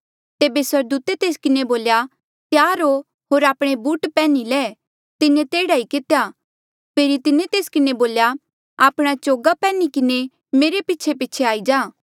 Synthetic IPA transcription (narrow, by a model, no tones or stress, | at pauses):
t̪eːbeswɐɾd̪uːt̪et̪eːskɪneboːlja | t̪jaːɾo | ɦoːɾaːpɽ̃ebuːʈpɛːnilɛ | t̪ɪnẽt̪eːɽaikɪt̪eja | pʰeːɾit̪ɪnet̪eːskɪneboːlja | aːpɽ̃at͡ʃoːɡapɛːnikɪne | meːɾepɪːt͡ʃʰepɪːt͡ʃʰeaːid͡ʒaː